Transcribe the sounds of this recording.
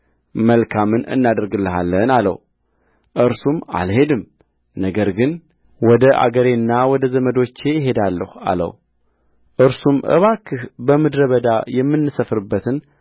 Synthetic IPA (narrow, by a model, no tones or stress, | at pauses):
məlkʰamɨnɨ̰nːad̪ɨɾɡɨlːɨɦalːənalə̰w | ʔɨɾsuma̰lhe̞d̪ɨm | nəɡəɾɡɨn | wɔd̪əʔa̰ɡəɾenːawɔd̪əzəməd̪o̞t͡ʃːe̞jɪɦe̞d̪alːəha̰lə̰w | ʔɨɾsumʔɨ̰βakʰːɨhbəmɨd̪ɾəβəd̪ajɛmːɨnːɨsəfɾɨbːət̪ʰɨn